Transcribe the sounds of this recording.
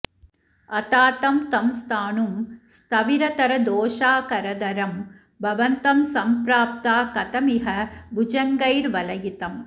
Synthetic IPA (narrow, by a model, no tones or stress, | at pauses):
ɐt̪aːt̪ɐmt̪ɐmst̪ʰaːɳumst̪ɐʋiɾɐt̪ɐɾɐd̪oːʃaːkɐɾɐd̪ɐɾɐm | bʱɐʋɐnt̪ɐmsɐmpɾaːp̚t̪aːkɐt̪ɐmiɦɐbud͡ʒɐŋɡɐjɾʋɐlɐjit̪ɐm